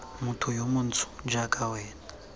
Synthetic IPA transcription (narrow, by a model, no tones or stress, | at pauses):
mutʰujomunt͡sʰu̥d͡ʒakʰʼawɛːna